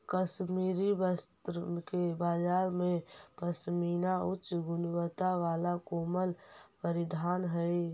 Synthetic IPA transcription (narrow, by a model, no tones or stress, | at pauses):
kəsmiɾibəst̪ɾkebad͡ʒaːɾmepəsminaut͡ʃɡʊnwət̪aʋalakoməlpəɾid̪ʱanɦəj